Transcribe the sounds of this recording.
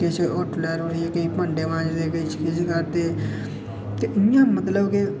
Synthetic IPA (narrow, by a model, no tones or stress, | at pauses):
ket͡ʃʰʊʈʰlɛːɾoɾieːkəiːpə̃ɳɖeːʋãːd͡ʒd̪eːʋɪt͡ʃkɪd͡ʒkəɾt̪eː | t̪eʔɪjãːmət̪ləbke